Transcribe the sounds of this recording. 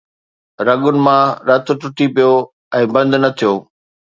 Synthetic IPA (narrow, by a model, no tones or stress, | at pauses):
ɾɐɠʊnɪ̆mãɾɐt̪ʈʊʈipijo | ɛ̃ːbɐ̃nd̪ʊnɐt̪ʰijoː